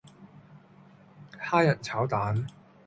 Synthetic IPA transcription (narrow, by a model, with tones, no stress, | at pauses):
haː˥jɐ˨t̚t͡sʰaː˨˥wt̪aː˨˥n